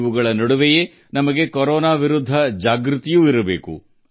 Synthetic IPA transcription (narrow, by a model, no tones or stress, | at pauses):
ʋuɡɐɭɐnɐɽuʋeje | nɐmɐɡe̞koɾɔːnaːʋiɾud̪ʱːɐd͡ʒaːɡɾut̪ijuːiɾɐbe̞̰ːkṵ